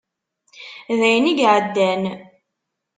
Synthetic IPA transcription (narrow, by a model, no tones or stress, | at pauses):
ðæjniɡʕəd̪ːæn